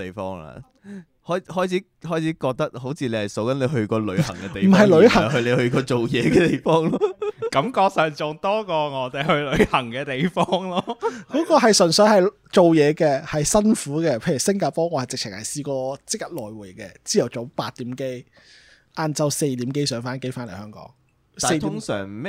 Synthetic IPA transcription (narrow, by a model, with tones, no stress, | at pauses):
t̪e˨˩jfɔː˥ŋla̰ː˧ | hɔː˥jhɔː˥jt͡sʰi˨˥ | hɔː˥jt͡sʰiː˨˥kɔː˧k̚t̪ɐ˥k̚ɦo˨˥wt͡sʰiː˧le˨˧hɐ˨˩jso˨˥wkɐ˨˥nle˨˧jɦɵ˧ɥkɔː˧lɵ˨˧ɥhɐ˨˩˨ŋkɛ˨t̪e˨mj̩˨˩ɦɐ˨jlɵ˨˧˥hɐ˨˩hɵ˧le˨˧hɵ˧ɥkɔː˧t͡so˨wjɛː˨˧kɛː˧t̪e˨jfɔː˥ŋlɔ˥kɐ˨˥mkɔː˧k̚sœː˨˩ŋt͡sʊ˨ŋt̪ɔː˥kɔː˧ŋɔː˨˥t̪e˨jhɵ˧ɥlɵ˨˧ɥhɐ˨˩ŋkɛː˧t̪e˨˩jfɔː˥ŋlɔː˥kɔː˨˥kɔː˧ɦɐ˨jsnsɵ˨˧ɥhɐ˨j | t͡so˨wjɛː˨˧kɛː˧hɐ˨jsɐ˥nfuː˨˥kɛː˧pʰe˨˧jy˨˩sɪ˥ŋkaː˧˩pɔː˥ŋɔː˨˧hjt͡sɪ˨k̚t͡sʰɪ˨˩ŋhɐ˨jsiː˧kɔː˧t͡sɪ˥k̚jɐ˥t̚lɔː˨jwuː˨˩jkɛː˧t͡siː˥jɐ˨˩wt͡so˨˥paː˧t̚t̪iː˨˥mke˥j | ʔaː˨˧nt͡sɐ˧wse˧jt̪iː˨˥mke˥jsœː˨˥ŋfaː˥nke˥jfaː˥nle˨˩hœː˥ŋkɔ̰ː˨˥ŋ | aː˨e˧jt̪ːʊ˥ŋsœ̰ː˨˩ŋ